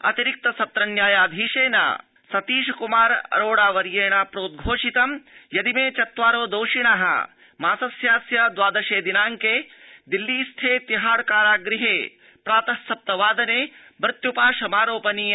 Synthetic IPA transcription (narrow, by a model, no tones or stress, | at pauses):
ɐ̰t̪iɾik̚t̪ɐsɐp̚t̪ɾɐnjaːjaːd̪ʱiːʂeːna̰ | sɐt̪iːʃɐkumaːɾɐ̰ɾoːɽaːʋɐɾjeːɳapɾoːt̪̚ɡʱoːʂit̪ɐmjɐd̪imeːt͡ʃɐt̪ʋaːɾoːd̪oːʂiɳaːɦɐ̰ | maːsɐsjaːsjɐd̪ʋaːd̪ɐʃeːd̪inaːŋkeːd̪ilːiːst̪ʰeːt̪iɦaːɽkaːɾaːɡɾiɦeː | pɾaːt̪ɐsɐp̚t̪ɐʋaːd̪ɐneː | bɾɪt̪jupaːʃɐmaːɾoːpɐniː